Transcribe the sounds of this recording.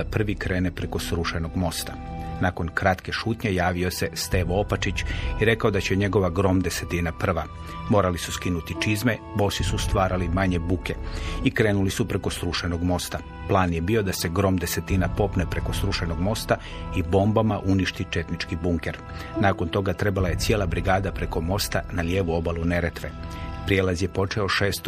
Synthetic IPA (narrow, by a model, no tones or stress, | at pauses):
apr̩ʋikɾe̞ːnepɾe̞ko̞sɾuʃeno̞ɡmo̞st̪a | nako̞nkɾat̪ke̞ʃuːt̪ɲe̞jaːʋio̞se̞st̪e̞ːʋoopat͡ʃit͡ɕiɾe̞kao̞d̪at͡ɕe̞ɲe̞ɡo̞ʋaɡɾo̞md̪e̞se̞t̪iːnapr̩ʋa | mo̞ːɾalisuskinut̪it͡ʃizme̞ | bo̞sisust̪ʋaːɾalimaɲe̞buke̞ikɾe̞ːnulisupɾe̞ko̞sɾuʃeno̞ɡmo̞st̪a | plˠaːnje̞biːo̞d̪ase̞ɡɾo̞md̪e̞se̞t̪inapo̞pnepɾe̞ko̞sɾuʃeno̞ɡmo̞st̪a | ibo̞mbamaʔuniʃt̪it͡ʃe̞t̪nit͡ʃkibuŋke̞ɾ | naːko̞nt̪o̞ɡat̪ɾe̞balaje̞t̪sje̞ːlˠabɾiɡaːd̪apɾe̞ko̞mo̞st̪analje̞ːʋuo̞balˠune̞ɾe̞t̪ʋe̞pɾijelazjepo̞t͡ʃe̞o̞ʃeːst̪